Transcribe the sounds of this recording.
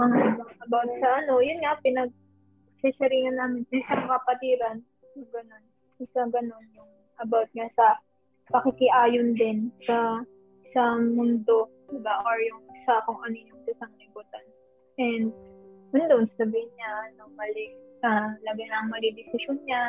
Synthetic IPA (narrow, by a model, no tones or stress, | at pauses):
mɐŋaʔɪbɐŋʔɐbawt̪̚sɐʔɐno̞jʊnŋapɪnɐɡ̚ | sɛsɐɾiːnɐnːaːmɪnʔɪsaŋŋɐpɐt̪iːɾɐn | jʊɡɐno̞n | ʔɪsaɡɐno̞njʊŋ | ʔɐbawt̪̚ɲasɐ | pɐkɪkɪʔaːjond̪ɪnsɐ | sɐmʊnd̪o̞ | d̪ɪbaʔaɹjʊŋsɐkoŋʔɐnojʊŋsɐʔɪsaŋlɪbuːt̪ɐn | ʔɛnd̪̚jʊnd̪onsɐsɐbihɪnɲanomɐlɪɐlaɡɐnɐɐŋmɐlid̪ɪsɪʃonɲa